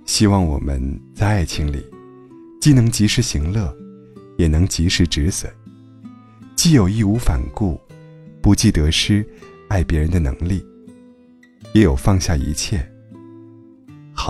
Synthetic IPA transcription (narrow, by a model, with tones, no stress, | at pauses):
ɕi˥wɑ˥˩ŋwɔ̰˨˩mə̰˧˦nt͡sa˥˧ɪa˥˩ɪt͡ɕʰi˧˥ŋlḭ˨˩ | t͡ɕi˥˩nɤ˧˥ŋt͡ɕi˧˥ʂɻ̩˧˥ɕi˧˥ŋlɤ˥˩ | jɛ˨˩nɤ˧˥ŋt͡ɕi˧˥ʂɻ̩˧˥ʈ͡ʂɻ̩˧˥swə̰˨˩˦ | t͡ɕi˥˩jo˨˩ʊi˥˧u˧˥fa˨˩nku˥˩pu˧˥t͡ɕi˥˩t̪ɤ˧˥ʂɻ̩˥a˥˩ɪpjɛ˧˥ɻə˧˥nd̪ə˧nɤ̰˧˥ŋli˥˩ | jɛ˧˥jo˨˩ʊfɑ˥˧ŋɕja˥˩ḭ˧˥t͡ɕʰjɛ˥˩ | xɑ˨˩˦